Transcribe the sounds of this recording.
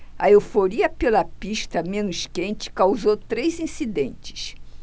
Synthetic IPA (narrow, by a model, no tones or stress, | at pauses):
ɐewfoɾiɐpelɐpiʃt̪ɐmẽnʊʃkẽnt͡ʃɪ̥kawzowt̪ɾejzĩsid̪ẽnt͡ʃɪ̥ʃ